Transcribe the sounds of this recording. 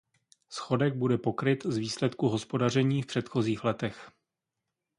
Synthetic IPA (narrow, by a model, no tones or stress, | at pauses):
sxo̞dɛɡ̚budɛpo̞kɾɪt̪zviːslɛt̪kuɦo̞spo̞dar̝ɛɲiːfpr̝̥ɛt̪xo̞ziːxlɛt̪ɛx